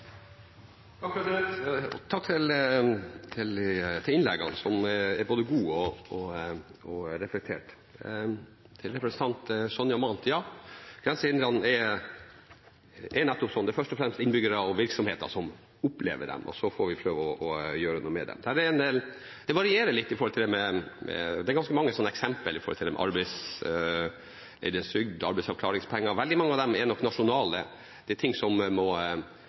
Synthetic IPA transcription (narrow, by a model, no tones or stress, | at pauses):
ɑkːɾɑt̪ːɾɛt̪t̪ʰɑkːt̪ʰɪl | t̪ʰɪlt̪ʰɪlɪnlɛɡɑ̰nsɔmæɾboːd̪əɡuːɔɔ | ɔɾɛflɛkt̪ʰḛːʈ | t̪ʰɪlɾɛpɾɛsənt̪ʰɑnt̪sɔnjɑmɑnt̪jɑːɡ̥ɾɛnsəɪnd̪ɾɑnɛ | ʔɛnɛt̪ːɔpsɔnd̪ɛæfœʂʈɔfɾɛmst̪ɪnbʏɡəɾəɔʋɪɾksɔmheːt̪ə̰ʂɔm | ʊplḛːʋə̰ɖɛ̰mʔɔ̰sɔfɔɾʋɪpʰɾøːʋəɔɔjøːɾənuːəmɛ̰d̪ɛ̰md̪æːɾɛnd̪ɛ | d̪ɛʋɑɾɪeːɾəɭɪt̪ːɪfɔɾhɔlt̪ɪld̪ɛmɛmɛ̰d̪ɛæɾɡɑnskəmɑŋːəsɔnːɛksɛmpəlɪfɔɾhɔlt̪ɪɛm̰ʔɑ̰ɾbæɪs | lɛ̰ɪd̪əsʏɡd̪ɑ̰ɾbɛɪsɑʋkʰlɑːɾɪŋspʰɛŋːɑʋɛld̪ɪmɑŋːəɑʋd̪ɛmɛnɔkːnɑʂʊnɑːlə̰ | d̪̥ɛɛt̪ʰɪŋsɔmmɔ